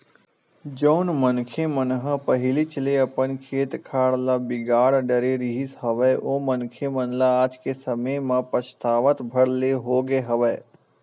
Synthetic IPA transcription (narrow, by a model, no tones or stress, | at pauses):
d͡ʒəʊnmənkʰemənɦə̃pɐɦɪlit͡ʃleɐpənkʰeːt̪kʰaːɽlabɪɡaːɽɖəɾeɾiɦisɦɐʋəʔoːmənkʰemənlaaːd͡ʒkesɐməjmãpəst̪aːʋət̪bʱɐɽleɦoːɡeɦɐʋəː